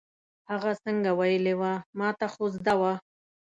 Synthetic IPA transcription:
haɣasəŋɡawajəlewamɑt̪axozd̪awa

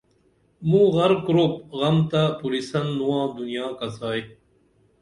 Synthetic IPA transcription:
mũːɣɐɾkɾop̚ɣɐmt̪apuɾisɐnːuwãːd̪unijaːkɐsaːj

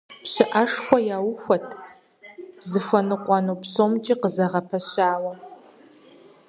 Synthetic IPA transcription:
pɕɪʔɐʂxʷɔjaːwʊxʷɔtʰ | b̥zɨfʷɐnɨqʷʼɑnopsoːmt͡ʃʼiqəzɐʁɐpʰɐɕaːwɐ

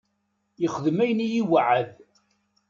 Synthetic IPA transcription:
jəχəðmæjənijiwaʕəð

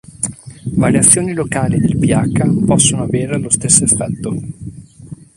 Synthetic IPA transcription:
vaɾjat̪sːjoːnilokaːlid̪elpiakːapɔsːonoaveːɾelost̪esːoefːɛt̪ːo

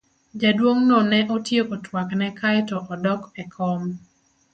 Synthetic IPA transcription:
d͡ʒadwoŋnonɛʔotjekotʰwaknɛkajtɔʔɔdɔkɛkʰɔm

